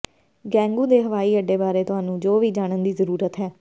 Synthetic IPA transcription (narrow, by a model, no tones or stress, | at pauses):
ɡɛ̃ːŋɡuːd̪eːɦəʋaːiːəɖːeːbaːɾeːt̪ʊaːnũːd͡ʒoːʋiːd͡ʒaːɽənd̪iːzəɾuːɾət̪ɦɛː